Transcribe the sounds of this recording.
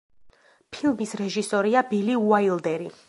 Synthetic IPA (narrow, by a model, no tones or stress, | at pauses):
pʰilˠmisɾɛʒisɔɾiabiliuailˠd̪ɛɾi